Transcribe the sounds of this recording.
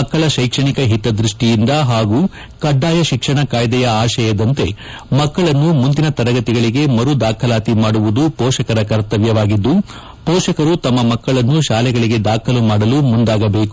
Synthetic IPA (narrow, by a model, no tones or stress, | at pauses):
ɐkːɐɭɐʃɐjkʂɐɳikɐɦit̪ɐd̪ɾiʂʈijind̪ɐɦaːɡu | kɐɖːaːjɐʃikʂɐɳɐkaːjd̪ɛjɐaːʃɐjɐd̪ɐnt̪e̞ | mɐkːɐɭɐnːumund̪inɐt̪ɐɾɐɡɐt̪iɡɐɭiɡe̞mɐɾud̪aːkʰɐlaːt̪imaːɽuʋud̪upɔːʃɐkɐɾɐkɐɾt̪ɐʋjɐʋaːɡid̪ːu | pɔːʃɐkɐɾut̪ɐmːɐmɐkːɐɭɐnːuʃaːlɛɡɐɭiɡe̞d̪aːkʰɐlumaːɽɐlumund̪aːɡɐbe̞ːku